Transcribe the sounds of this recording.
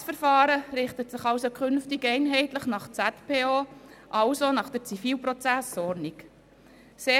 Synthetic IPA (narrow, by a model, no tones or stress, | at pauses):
sfəɾfɑːɾəɾɪχtətsɪχɑlsokʰχʏnftɪɡɛɪnɦɛɪtləχnɑχt͡sætpʰeːoːʔɑlsonɑχd̥əɾt͡sifiːlpɾot͡sæsɔɾnik | seː